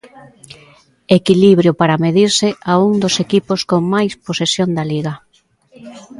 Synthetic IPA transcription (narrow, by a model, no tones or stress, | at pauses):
ekiliβɾjopaɾameðiɾsɪʔauŋd̪osekiposkoŋmajsposesjoŋd̪aliɣa